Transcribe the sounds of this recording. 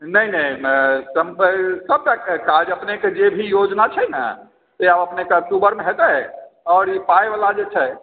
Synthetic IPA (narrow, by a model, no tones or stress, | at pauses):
nəinəĩsəmsəb̚t̪akkad͡ʒəpneked͡ʒebʱijod͡ʒnat͡ʃʰɛna̰ | seabəpnekeək̚ʈubəɾmeɦet̪ɛ | ɔːɾipaeʋalad͡ʒet͡ʃʰɛ